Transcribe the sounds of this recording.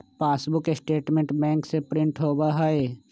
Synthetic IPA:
paːsbʊkɪsʈeːʈmẽɳʈbɛ̃ːŋksepɾɪ̃ɳʈɦoːbaɦae

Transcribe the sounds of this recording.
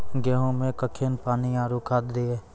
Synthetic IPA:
ɡɛːɦõmẽkəkʰeːnpaːniaːɾukʰaːd̪d̪eeː

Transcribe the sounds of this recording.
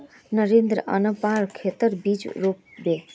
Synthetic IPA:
nəɾẽːnd̪ɾəɐ̰nəpaːɾkʰeːt̪əɾbiːd͡ʒɾoːp̚beː

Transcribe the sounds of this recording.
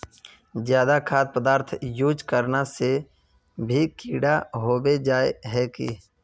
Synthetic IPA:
zjaːd̪akʰaːd̪̚pəd̪aːɾt̪ʰjuːd͡ʒkəɾnase | bʱikʰiːɽaɦoːbed͡ʒaːeɦɛːkḭ

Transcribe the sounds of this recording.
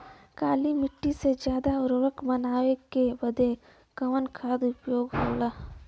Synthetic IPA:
kaːlimɪʈːised͡ʒjaːd̪aʊɾɾəkbɐnaːʋekebɐd̪ʱe | kɐʋənkʰaːd̪ʊpjoːɡɦoːlaː

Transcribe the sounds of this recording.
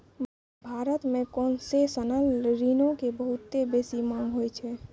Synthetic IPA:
bʱaɾət̪mẽkonsesənəlɾinõkebəɦut̪ːebesimaɦojt͡ʃʰɛ

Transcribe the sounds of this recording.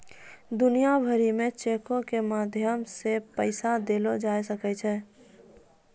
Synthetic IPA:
d̪ʊnijabʱəɾimẽt͡ʃeːkõkemaːd̪ʱjəmsepəɪsad̪eːlod͡ʒaːjsəkɛt͡ʃʰɛː

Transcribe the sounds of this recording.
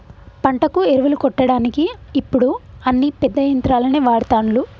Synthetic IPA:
pɐɳʈɐkueɾuʋɐlukɔʈːɐɽaːnikiːpːuɽuɐnːipɛd̪ːɐjɐnt̪ɾaːlɐneːʋaːɽut̪aːnlu

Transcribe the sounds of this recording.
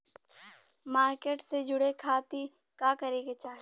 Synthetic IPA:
maːɾkeːʈsed͡ʒʊɽekʰaːt̪i | kaːkɐɾeket͡ʃaː

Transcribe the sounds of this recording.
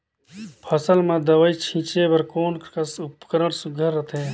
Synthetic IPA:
pʰəsəlmãd̪əʋəit͡ʃʰĩːt͡ʃebəɾkoːnksʊpkəɾəɽsʊɡʱəɾːət̪ʰẽː

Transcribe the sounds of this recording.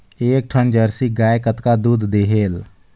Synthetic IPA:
eːk̚ʈʰənd͡ʒəɾsiɡaːjkət̪kad̪uːd̪d̪eːɦeːl

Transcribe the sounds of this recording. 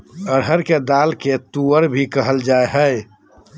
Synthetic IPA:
əɽ̤əɾked̪aːlket̪uəɾbʱikəɦəld͡ʒaːeɦɛe

